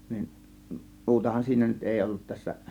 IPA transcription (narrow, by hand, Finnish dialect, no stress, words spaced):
nin muːtɑhɑn siːnæ nyt eˑi olːut tæsːæ